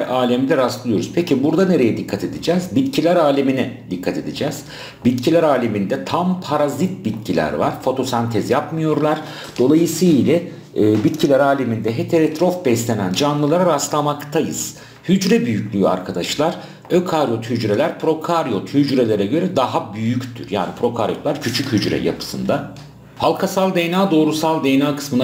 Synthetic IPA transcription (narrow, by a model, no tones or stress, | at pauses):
ɾaːlʲɛmd̪ʲɛɾast̪lˠɯjo̞ɾuz̥pʰecʰibuɾd̪ane̞ɾe̞jɛd̪ikʰːat̪ʰe̞d̪id͡ʒɛːzbit̪cʰilʲæɾaːlʲeminɛd̪ikʰːat̪ʰe̞d̪id͡ʒɛːz̥ | bit̪cʰilʲæɾaːlʲemind̪ɛt̪ʰampʰaɾazit̪̚bit̪̚cʰilʲæ̰ɾva̰ɾ̥fo̞t̪ʰo̞sant̪ʰɛzjapmɯjo̞ɾlˠaɾ̥ | d̪̥o̞lˠajɯsɯlʲɛ | bit̪cʰilʲæɾaːlʲimind̪ɛɦet̪ʰeɾet̪ɾo̞fbɛslʲe̞nænd͡ʒanlˠɯlˠaɾaɾast̪ˠamakt̪ʰajɯ̰z̥ | hyd͡ʒɾɛbyjycʲlʲyja̰ɾkʰad̪aʃlˠaɾ̥ | økʰaɾjo̞t̪hyd͡ʒɾelʲæɾpʰɾo̞kʰaɾjot̪hyd͡ʒɾe̞lʲeɾɛɟø̞ɾɛd̪aɦabyjyct̪ʰy̰ɾja̰ːnipʰɾo̞kʰaɾjo̞lˠaɾcʰyt͡ʃʰychyd͡ʒɾɛ̰ja̰pʰɯ̥sɯnd̪a | halˠkʰasalˠd̪ejnaːd̪o̞ːɾusalˠd̪ejnaːkɯ̥smɯna